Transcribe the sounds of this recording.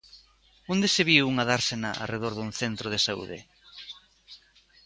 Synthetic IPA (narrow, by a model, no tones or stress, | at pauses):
ond̪eseβiwuŋaðaɾsenaʔa̰reðoɾðuŋθent̪ɾoð̞esaṵðḛ